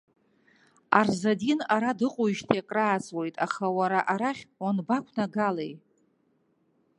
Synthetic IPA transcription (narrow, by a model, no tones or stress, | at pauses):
arzadinaɾadɨqʼuiʒtʰjakʼraːt͡sʼwo̞jtʼaχawaɾaʔaɾaχʲwanbakʷʰnaɡalej